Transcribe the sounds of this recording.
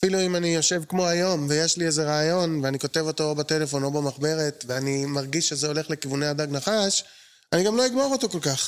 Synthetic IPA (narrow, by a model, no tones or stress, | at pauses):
afiluimanijo̞ʃe̞vkmo̞ajo̞mvejeʃlieze̞ʁaːjo̞nveaniko̞te̞vo̞to̞obate̞le̞fo̞no̞bamaχbe̞ʁe̞tveanimaʁɡiʃːezeo̞le̞χlekivuneadaɡnaχaʃ | aniɡamlo̞iɡmo̞ʁoto̞ko̞lkaχ